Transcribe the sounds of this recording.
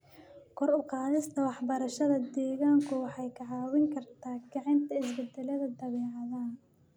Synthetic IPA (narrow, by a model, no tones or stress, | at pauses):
kʰɔɾʊqɑːðɪst̪ʰɐwɑħbɐɾɐʃɐðɐd̪ɛːɣaːŋkʰʊwɑħɑjkʰɑʕɑːwɪŋkʰɐrt̪ʰaːɡɑʕɪnt̪ʰɐɪs̬bɛd̪ɛlɐðɐd̪ɐβɛːʕɑðaːn